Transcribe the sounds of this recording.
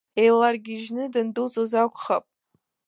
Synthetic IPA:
ejlarɡʲiʒnɨdɨndɨlt͡sʼozakʷʰʼχapʼ

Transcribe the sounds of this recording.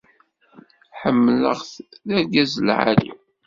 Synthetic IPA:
ħəmːlə̰ʁθðæɾɡæzəlʕa̰lḭ

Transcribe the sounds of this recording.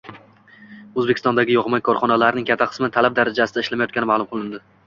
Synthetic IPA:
ɵzbekʲɪ̥st̪ɒ̃nd̪aɡʲɪjɒʁmajkʰɒɾχɒnalaɾnɪŋkʲʰat̪ʰːaqʰɨ̥smɪt̪ʰalap̚d̪aɾad͡ʒasɪd̪aɪʃlamajɒt̪kʲanɪmalˠʊmqʰɨlˠɪnd̪ɪ

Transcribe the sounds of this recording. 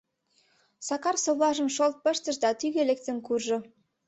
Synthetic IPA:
sɑkɑrsoβlɑʒə̆nʃolt̪̚pə̆ʃt̪ə̆ʃd̪ɑt̪yɣelek̚t̪ə̆nkurʒɤ̆

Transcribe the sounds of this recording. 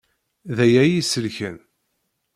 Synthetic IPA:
ðæjæjisəlçən

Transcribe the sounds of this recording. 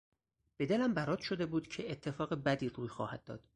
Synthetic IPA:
b̥e̞d̪elæmbæɾɒːd̪̥ʃo̞d̪e̞buːd̪̥cʰe̞et̪ʰːe̞fɒːɣebæd̪iːruːjxɒ̰ːhæd̪̚ːɒ̰ːd̪̥

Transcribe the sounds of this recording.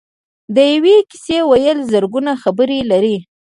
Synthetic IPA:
d̪əjaweki̥sewajəlzəɾɡunaxabəɾelaɾi

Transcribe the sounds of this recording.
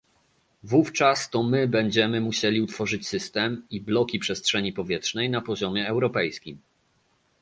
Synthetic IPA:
vuft͡ʂast̪ɔmɘbɛɲd͡ʑɛmɘmuɕɛlʲiut̪fɔʐɘt͡ɕsɘst̪ɛmiblɔkʲipʂɛstʂɛɲipɔvʲjɛtʂnɛjnapɔʑɔmʲjɛːwɾɔpɛjskʲim

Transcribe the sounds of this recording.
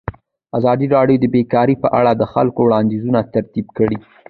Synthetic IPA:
azɑd̪iɾɑɽjod̪əbekɑɾipəʔa̰ɽad̪əxalkowɽɑnd̪izunat̪aɾt̪ibkəɽi

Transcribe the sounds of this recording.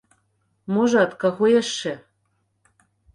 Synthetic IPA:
moʒɑt̪kɑxojeʃːɘ̆

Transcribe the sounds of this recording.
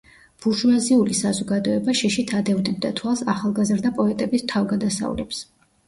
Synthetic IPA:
b̥uɾʒuaziulisazɔɡad̪ɔɛbaʃiʃit̪ʰad̪ɛvnɛb̚d̪at̪ʰwalˠsaχalˠɡazɾd̪apʼɔɛt̪ʼɛbist̪ʰavɡad̪asa̰ṵlɛps

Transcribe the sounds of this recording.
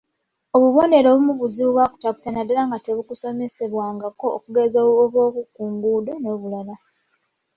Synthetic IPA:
oβuβo̞ne̞ɾo̞βumuβuziβuβwaku̥taku̥tanadalaŋɡate̞βukuso̞me̞se̞βwaːŋɡako̞ːkuɡezoːoβo̞ːβukuːŋɡuːdo̞no̞ːβulala

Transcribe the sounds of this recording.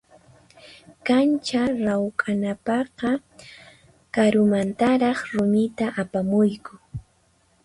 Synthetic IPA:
kant͡ʃaɾawkʼanapɑqɑ | kaɾʊmant̪aɾɑχɾʊmɪt̪aʔapamʊjkʊ

